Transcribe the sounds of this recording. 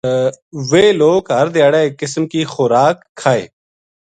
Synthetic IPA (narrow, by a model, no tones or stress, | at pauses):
ʋeːloːkɦəɾd̪ɪjaːɽeːkːɪsmkiːxʊːɾaːkʰːaːḛː